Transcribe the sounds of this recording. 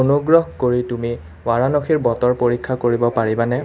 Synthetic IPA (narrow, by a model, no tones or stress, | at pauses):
onuɡɹɔɦkoɹitumi | waɹanɔxiɹbɔtɔɹpoɹikʰːakoɹibɔpaɹibanɛ